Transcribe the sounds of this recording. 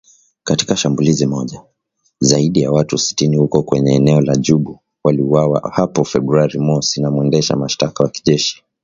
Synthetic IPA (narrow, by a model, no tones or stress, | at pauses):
kati̥kaʃambulizimɔʄa | zaiɗijawatusi̥tinihukɔkwɛɲɛːnɛɔlaʄuɓu | waliuwawa̰hapɔfɛɓɾuaɾimɔsinamuɛndɛʃa̰maʃtakawaki̥ʄɛʃi̥